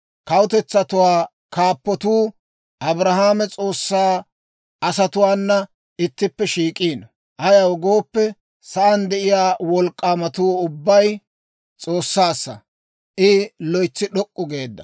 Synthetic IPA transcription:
kɐwʊt̪ɛt͡sːɐt̪ʊwaː | kaːpːɔt̪uː | ʔɐbɾɐɦaːmɛt͡sʼo̞ːsːaː | ʔɐsɐt̪ʊwaːnːɐ | ɪt̪ːɪpːɛʃiːkʼiːn | ʔɐjɐwɡo̞ːpːɛ | sɐʔɐnd̪ɛʔɪjaːwɔlkʼːaːmɐt̪uːʊbːɐj | t͡sʼo̞ːsːaːsːɐ̰ | ʔɪlɔjt͡sːɪɗɔkʼːʊɡe̞ːd̪ːɐ

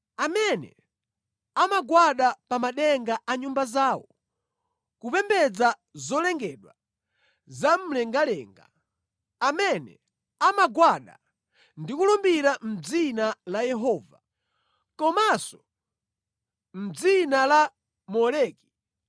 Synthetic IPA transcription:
amɛnɛ̰ | amaɡwaɗapamaɗɛŋɡaʔaɲumbazaːwɔ | kupɛmbɛd͡za | zɔlɛŋɡɛɗwa | zam̩lɛŋɡalɛ̰ːŋɡa̰ | amɛnɛ̰ | amaɡwaɗa̰ | ndikulɔmbiɾam̩d͡zinalajɛɦɔːva | kɔmasɔ | m̩d͡zinala | mɔlɛːki̥

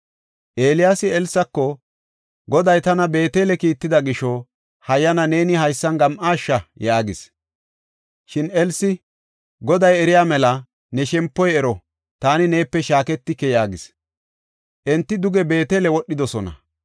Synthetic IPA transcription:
ʔeːlɪjaːsɪɛlsːɐkːɔ | ɡɔd̪ɐjt̪ɐnɐbe̞ːt̪eːlɛkiːt̪ːɪd̪ɐɡɪʃɔ | hɐjːɐnɐne̞ːnɪhɐjsːɐnɡɐmʔaːʃːɐjaːɡɪs | ʃɪnɛlsɪ | ɡɔd̪ɐjɛɾɪjaːmɛlɐ | nɛʃɛmpːɔjɛɾɔ | t̪aːnɪne̞ːpːɛʃaːkɛt̪ːɪkːɛjaːɡɪs | ʔɛnt̪ːɪd̪ʊɡɛbe̞ːt̪eːlɛwɔɗːɪd̪ɔsɔnɐ̰

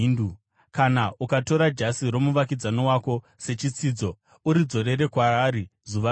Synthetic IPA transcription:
ndu | kanaʔukato̞ɾad͡ʒasiɾo̞muʋak̬id͡zano̞wako̞ | se̞t͡ʃit͡siːd͡zo̞ | uɾid͡zo̞ɾe̞ɾe̞kwaaːɾizuʋa

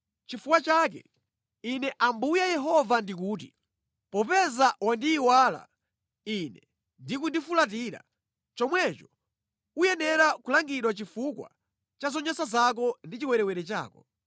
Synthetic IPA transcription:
t͡ʃifukwat͡ʃaːkɛ̰ | inɛʔambujajɛɦɔvandik̬uːt̬i | pɔpɛzawandiːwala̰ | inɛ | ndikundifulat̬iːɾa̰ | t͡ʃɔmwɛt͡ʃɔ̥ | ujɛnɛɾakulaŋɡiɗwat͡ʃifukwa̰ | t͡ʃazɔɲɔsazak̬ɔndit͡ʃiwɛɾɛwɛɾɛt͡ʃa̰ːkɔ

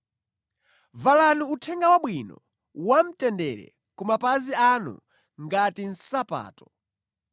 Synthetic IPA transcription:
valanuutʰɛŋɡawaɓwinɔ̰ | wam̩tɛndɛɾɛ̰ | kumapazianṵ | ŋɡatin̩sapa̰ːtɔ̥

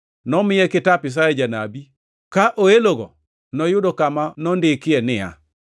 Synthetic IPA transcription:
nɔmɪjɛkɪtapɪs̬ajɛd͡ʒanabi | kaʔoeloɡɔ̰ | nɔjʊdɔkamanɔndɪkɪɛnɪa̰

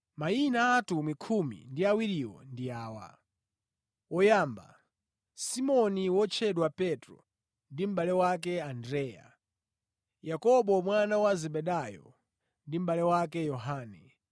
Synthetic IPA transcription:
mainaːtumikʰumḭndiawiɾiwɔ̰ndiaːwa̰ | wɔjaːmba̰ | simɔniwɔt͡ʃʰɛɗwapɛtɾɔ̰ | ndim̩ɓalɛwak̬ɛandɾɛːja̰ | jakɔɓɔmwanawazɛɓɛɗajɔ̰ | ndim̩ɓalɛwakɛjɔɦaːnɛ

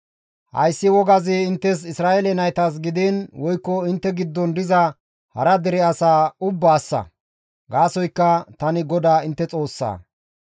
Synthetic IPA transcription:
hɐ̰jsːɪwɔɡɐzɪːnt̪ːɛsɪsɾaːʔɛlɛnɐjt̪as̬ɡɪd̪ɪnwɔjkːɔɪnt̪ːɛɡɪd̪ːɔnd̪ɪzɐ | hɐ̰ɾɐd̪ɛɾɛɐsaːʊbːaːsːɐ̰ | ɡaːsɔjkːɐt̪ɐnɪɡɔd̪aːɪnt̪ːɛt͡sʼo̞ːsːa̰ː

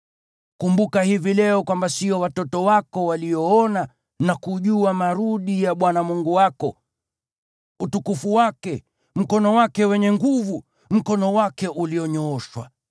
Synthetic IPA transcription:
kumbukahivilɛɔkwambasiɔwatɔtɔwakɔwaliɔɔna | nakuʄuamaɾuɗijaɓwanamuŋɡuwakɔ | utukufuwakɛ | m̩kɔnɔwakɛwɛɲɛŋɡuvu | m̩kɔnɔwakɛʔuliɔɲɔːʃwa

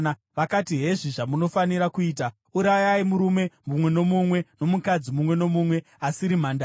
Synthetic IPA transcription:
na | ʋakatiɦe̞ʐiʐamuno̞faniɾakuiːta | uɾajaimuɾume̞mumwe̞no̞mumwe̞no̞mukad͡zimumwe̞no̞mumwe̞ | asiɾimandaː

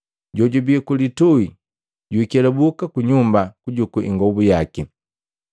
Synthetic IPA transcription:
ɟɔɟubikulitui | ɟuikɛlabukakuɲumbakuɟukuʔḭŋɡɔbujaki

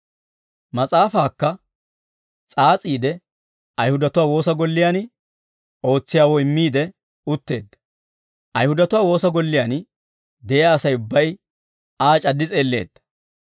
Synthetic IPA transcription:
mɐt͡sʼaːfaːkːɐ | t͡sʼaːt͡sʼiːd̪ɛ | ɐjhʊd̪ɐt̪ʊwaːwo̞ːsɐɡɔlːɪjaːn | o̞ːt͡sːɪjaːwɔjɪmːiːd̪ɛ | ʊt̪ːe̞ːd̪ːɐ̥ | ʔɐjhʊd̪ɐt̪ʊwaːwo̞ːsɐɡɔlːɪjaːn | d̪ɛʔaːsɐjʊbːɐj | aːt͡ʃʼɐd̪ːɪt͡sʼe̞ːlːe̞̰ːd̪ːɐ̥

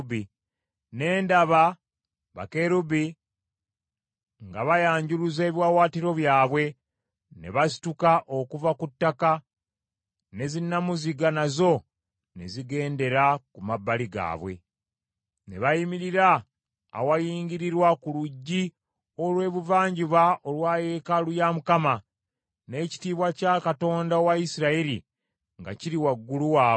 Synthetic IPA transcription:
bi | ne̞ːndaβa | βa̰ke̞ɾubi | ŋɡaβajaːɲɟuɾuze̞ːβjwawaːtiɾo̞βjaːβwe̞ | ne̞̰βasi̥tukaʔo̞kuvakutːaka | ne̞zinːamuziɡanazo̞ | ne̞̰ziɡe̞ːnde̞ɾakumabːaliɡa̰ːβwe̞̰ | ne̞̰βajimiɾiɾa̰ː | wajiːŋɡiɾiɾwakuluɟːi | olwe̞ːβuvaːɲɟuβaʔolwaːje̞kalujamukama | ne̞ːci̥tiːβwacakato̞ːndaowaisiɾaiɾi | ŋɡa̰ciɾiwaɡːuluwaː

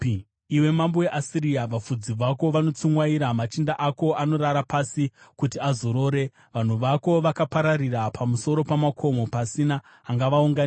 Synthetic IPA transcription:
iwe̞mamboje̞ʔasiɾijaʋafud͡ziʋako̞ʋanot͡sumwaiɾamat͡ʃindaʔako̞ʔano̞ɾaɾapasikutiazoɾo̞ːɾe̞ | ʋan̤uʋako̞ʋakapaɾarirapʰamuso̞ɾo̞pamakʰo̞mo̞pasinaː | ŋɡaʋauŋɡani

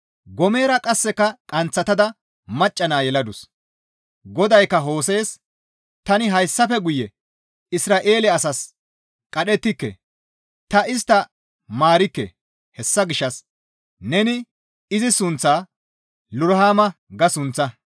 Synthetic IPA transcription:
ɡɔme̞ːɾɐkʼɐsːɛkɐkʼɐnt͡sːɐt̪ɐd̪ɐ | mɐt͡ʃʼːɐnaːjɛlɐd̪ʊs | ɡɔd̪ɐjkːɐɦo̞ːse̞ːs | t̪ɐnɪɦɐjsːɐfɛɡʊjɛ | ɪsɾaːʔe̞ːlɛɐsɐs | kʼɐɗɛt̪ːɪkːɛ̰ | t̪ɐɪst̪ɐ | maːɾɪkːɛ̰ | hɛsːɐɡɪʃːɐs | nɛnɪ | ɪzɪsʊnt͡sːaː | lʊɾɦaːmɐ | ɡɐsʊnt͡sːɐ

